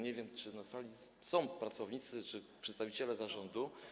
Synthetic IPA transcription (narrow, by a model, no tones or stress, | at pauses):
ɲevʲjɛmt͡ʂɘnasalʲi | sɔ̃w̃pɾat̪sɔvɲit̪sɘt͡ʂɘpʂɛt̪st̪avʲit͡ɕɛlɛzaʐɔnd̪u